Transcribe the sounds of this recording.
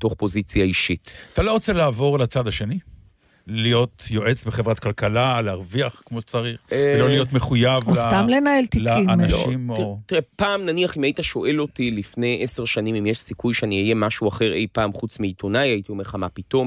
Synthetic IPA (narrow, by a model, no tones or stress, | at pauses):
to̞χpo̞zit͡sjaiʃitat̪alo̞ʁot͡selaːvo̞ʁlat͡sad̪aʃe̞ni | lijo̞t̪jo̞ʔet͡sbeχevʁat̪kalkalaleaʁviaχkmoʃet͡saʁiχlo̞lijo̞t̪meχujavolst̪amlenaelt̪ilkimʃimtiʁepaːmnaniaχimajitaʃo̞ʔe̞lo̞tilifne̞jʔese̞ʁʃanimimjeʃsikujʃeaniaje̞maʃuaχe̞ʁe̞jpaːmχut͡smiːtʰo̞najaitiomeχamapito̞m